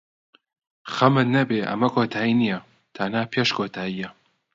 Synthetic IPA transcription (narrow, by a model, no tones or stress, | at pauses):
xɐmɨnnːɐbeːʔɐ̰mɐkʰoːt̪ʰaːjinijɐ | t̪ʰɐnaːpʰeːʃkʰoːt̪ʰaːjijɐ